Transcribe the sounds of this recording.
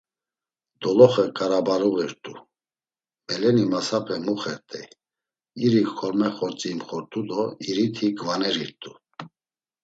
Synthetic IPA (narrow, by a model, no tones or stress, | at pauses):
d̪ɔlɔχəkʼaɾabaɾɔɣɛɾt̪ʼu | mɛlɛnimasapʰɛmuχɛɾt̪ʼɛ | iɾikkʰɔɾmɛχɔɾt͡sʼiːmχɔɾt̪ʼud̪ɔiɾit̪ʰiɡvanɛɾiɾt̪ʼu